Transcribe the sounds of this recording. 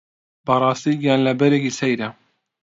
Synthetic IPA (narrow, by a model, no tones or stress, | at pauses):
bɐrˤɑːst̪iːɡjaːnlɐbɛɾekisɛjɾɐ